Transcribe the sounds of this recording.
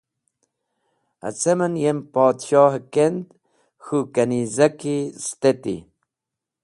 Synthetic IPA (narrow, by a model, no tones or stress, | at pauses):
a̰t͡semənjempɑːt̪ʃɑːhəkend̪ | xukanizakist̪et̪ḭ